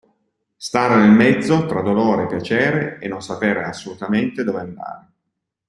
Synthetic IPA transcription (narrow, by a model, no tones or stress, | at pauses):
st̪aːɾenelmɛd̪zːot̪ɾad̪oloːɾepːjat͡ʃɛːɾeenːonsapeːɾeasːolut̪ament̪ed̪oːveand̪a̰ːɾe